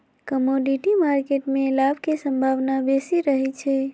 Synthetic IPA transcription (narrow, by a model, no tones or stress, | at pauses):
kəmoɖiʈimaɾkeʈmẽlabʱkesə̃mbʱaʋnabesiɾəɦit͡ʃʰe